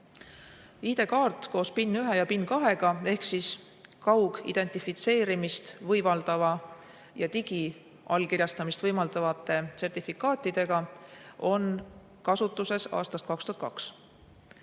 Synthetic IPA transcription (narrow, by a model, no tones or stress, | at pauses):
iːd̪e̞kɑːrt̪ˑko̞ːspinːyɦejɑpinːkɑɦe̞ɡ̥ɑe̞hksis | kɑwɡ̥ḭd̪̥e̞nʲt̪ifit̪se̞ːɾimist̪vɤjvɑld̪̥ɑvɑ | jɑt̪iɡ̥i | ɑlkirjɑst̪ɑmist̪vɤjmɑld̪̥ɑvɑt̪ːˑe̞t̪se̞rt̪ʲifikːˑɑːt̪ːˑid̪̥e̞ɡ̥ɑo̞n | kɑsut̪ːˑuse̞sɑ̰ːst̪ɑst̪kɑkst̪uhɑt̪kɑks